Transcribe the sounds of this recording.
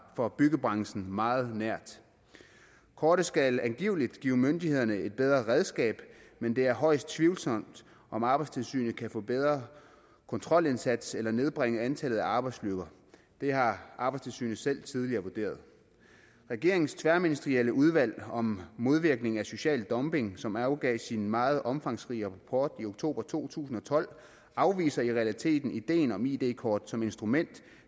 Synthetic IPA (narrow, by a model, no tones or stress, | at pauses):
fɒ̽b̥yɡəb̥ʁɑ̈ŋsn̩mɑ̈ːð̩ˠnæɐ̰d̥ | kʰɒːɾ̥əsɡ̥ælænɡ̥ḭːʊlid̥ɡ̥ḭːʊmønd̥ihe̝ð̞̰ˠɐnəe̝d̥̚b̥eð̞ˠʁɐʁɛð̞ˠsɡ̥ɛ̰ːb̥mend̥e̝æɐɦɒ̽ɪ̰sd̥̚t͡sʰʋiːʊlsɒ̽m̰d̥ | ʔɒ̽mɑ̈ːb̥ɑ̈ɪst͡sʰe̝lsy̰ːnəkʰæfɔ̰̽ːb̥eð̞ˠʁɐ | kʰɔ̽nt͡sʰʁɒ̽l̰e̝nsæd̥selɐne̝ð̞ˠb̥ʁeŋəænt͡sʰælð̞̩ˠæɑ̈ːb̥ɑ̈ɪd̥sløɡ̥ɐ | d̥e̝ɦɑ̈ʔɑ̈bɑ̈ɪst͡sʰe̝lsy̰ːn̩sel̰t͡sʰið̞ˠliɐʋuɐd̥e̝̰ːɐð̞ˠ | ʁɛɡ̥e̝ɐ̰eŋn̩st͡sʰʋæɐminisd̥ʁieləʔuð̞ˠʋæl̰ɒ̽mːo̝ð̞ˠʋiɐɡ̥ne̝ŋ̩æso̝ɕɛ̰ːld̥ɒ̽mb̥e̝ŋsɒ̽mɑʊɡ̥ɛ̰ːsinmɑ̈ːð̞̩ˠʔɒ̽mfɑ̈ŋsʁiːəʁpʰɒːd̥io̝ɡ̥t͡sʰo̝̰ːb̥ʁɐt͡sʰo̝̰ːt͡sʰṵːsn̩ɒ̽t͡sʰɒ̽l̰ | ɑ̈ʊʋḭːsɐiʁɛælit͡sʰe̝̰ːd̥n̩id̥e̝̰ːnɒ̽mid̥e̝̰ːkʰɒːd̥sɒ̽me̝nsd̥ʁumen̰d̥